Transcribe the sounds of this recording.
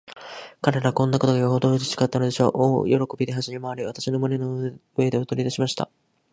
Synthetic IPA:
kaɾe̞ɾaβkõ̞nːako̞t̪o̞ɡajoɦot̪oːd͡ʑi̥ɕi̥kat̪ːano̞d̪e̞ɕo̞̰ːʔo̰ːjo̞ɾo̞ko̞bʲid̪e̞ɦaʑimʲemaβaɾʲiβat̪aɕino̞monenoɯ̟e̞d̪e̞ot̪o̞ɾʲid̪aɕimaɕi̥t̪a̰

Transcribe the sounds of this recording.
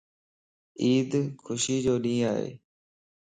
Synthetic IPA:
iːd̪kʰʊʃiːd͡ʒoːɗĩːaːɦḛː

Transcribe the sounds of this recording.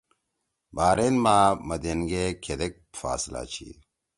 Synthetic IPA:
baːɾenmaːmɐd̪enɡekʰed̪ek̚fa̰ːsla̰ːt͡ɕʰḭː

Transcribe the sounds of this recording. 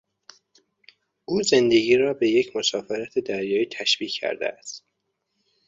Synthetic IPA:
ʔuːze̞nd̪e̞ɡiːɾɒːbe̞jecʰmo̞sɒːfeɾæt̪ʰed̪æɾjɒːiːt̪ʰæʃb̥iːcʰːæ̰ɾd̪ḛæst̪

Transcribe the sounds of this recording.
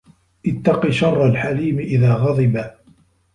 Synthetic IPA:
ʔɪt̪ːɑqiʃɑrˤːalħaliːmɪʔɪðaːɣɑðˤɨba

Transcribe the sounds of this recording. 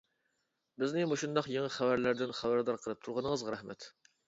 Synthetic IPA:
bɪznɪmoʃund̪ɑqjeŋəχævæɾlæɾd̪ɪnχævæɾd̪ɑɾqʰəlˠɨp̚t̪ʰuɾʁɑnəŋəzʁɑɾɛhmɛt̪

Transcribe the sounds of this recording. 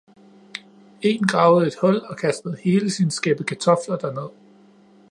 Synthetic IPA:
e̝ːnɡ̥ʁɑ̈ːʊð̩ˠe̝d̥hɒ̽l̰ɒ̽kʰæsd̥əð̞̩ˠhe̝ːləsinəsɡ̥eb̥əkʰæt͡sʰɒ̽flɐd̥æɐne̝ð̞̰ˠ

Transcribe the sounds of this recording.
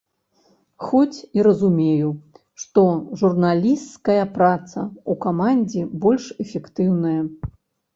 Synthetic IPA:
xɔt͡sʲiɾɐzumʲeju | ʂt̪ɔʐurnalʲist̪skɐjɐpɾat̪sɐukamanʲd͡zʲɛbɔlʲʂɛfʲɛkt̪ɨwnɐjɐ

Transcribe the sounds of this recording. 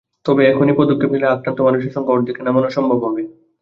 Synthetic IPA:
t̪ɔbeɛkʰonipɾod̪okʰːebʱileakɾant̪omanuʃeɾʃɔŋkoɾd̪ikenamonoʃɔmbʱobɦɔbe

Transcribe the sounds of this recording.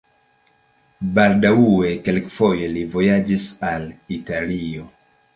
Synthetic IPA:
baldauekelkfojelivojad͡ʒisalitalio

